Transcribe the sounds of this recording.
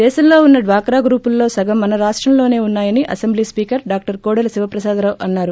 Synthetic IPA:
d̪ɛːʃɐmlo̞ːunːɐɖʋaːkɾaːɡɾuːpulːo̞ːsɐɡɐmːɐnɐɾaːʂʈɾɐmlo̞ːne̞ːunːaːjɐniʔɐsemblispiːkɐɾɖaːk̚ʈɐɾkoːɽɐlɐsiʋɐpɾɐsaːd̪ɐɾɐʔɐnːaːɾu

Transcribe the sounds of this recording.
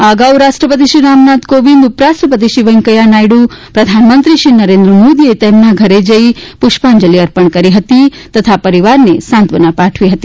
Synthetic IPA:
aɡawɾaʃʈɾəpət̪̬iʃiɾamnat̪koʋind̪upɾasʈɾəpət̪̬iʃiʋəŋkəjanajɽupɾɐd̪ʱanmənt̪ɾiʃinɐɾend̪ɾəmod̪iet̪emnaɡʱəɾed͡ʒəipuʃpand͡ʒəliɐɾpəɳkəɾiɦət̪it̪ət̪ʰapəɾiʋaɾnesant̪ʋənapaʈʰʋiɦət̪i

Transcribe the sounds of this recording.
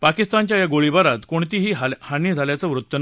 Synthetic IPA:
pakist̪ant͡ɕjajaɡoɭibaɾat̪koɳt̪iːɦiːɦhaniːd͡zʱaljat͡səʋɾut̪ːən

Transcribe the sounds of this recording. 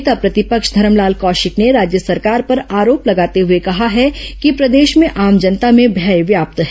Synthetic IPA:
t̪apɾɐt̪ɪpəkʃd̪ʱɐɾəmlaːlkɔːʃɪkneɾaːd͡ʒjəsɐɾkaːɾpɐɾaːɾoːplɐɡaːt̪eɦʊekɐɦaɦɛkipɾɐd̪eːʃmẽʔaːmd͡ʒɐnt̪amẽbʱɛːjʋjaːp̚t̪ɦɛ

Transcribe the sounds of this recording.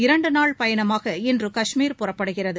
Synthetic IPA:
ɪɾɐɳɖɯnaːɭpɐjɐnɐmaːɣɐɪndrɯkɐʂmiːɾpʊrɐpːɐɽɯɣɪrɐðɯ

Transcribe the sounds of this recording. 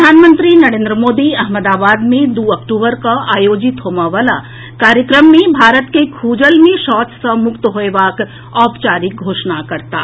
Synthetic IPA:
d̪ʱaːnmə̃nt̪ɾinɐɾẽːnd̪ɾəmoːd̪iɐɦməd̪aːbaːd̪mẽd̪uːɐkʈuːbəɾkaaːjoːd͡ʒɪt̪ɦoːmaʋaːla | kaːɾjəkɾəmːẽbʱaːɾət̪kekʰuːd͡ʒəlmẽʃɔːt̪səmʊkt̪əɦoeʋaːk | ɔːpt͡ʃaːɾik̚ɡʱoːʃnakɐɾt̪a̰ː

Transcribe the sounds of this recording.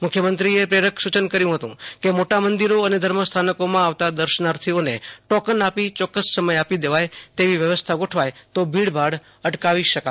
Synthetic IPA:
mʊkʰjəmənt̪ɾiepɾeɾəkʰsut͡ʃənkəɾjũɦət̪ṵ̃kemoʈamənd̪iɾoəned̪ʱəɾməst̪ʰanəkomãaʋt̪ad̪əɾʃənaɾt̪ʰioneʈɔkənapit͡ʃɔkːəsːəməjapid̪eʋajt̪eʋiʋjəʋəst̪ʰaɡoʈʰʋajt̪obʱiɽbʱaɽ | əʈkaʋiʃəka

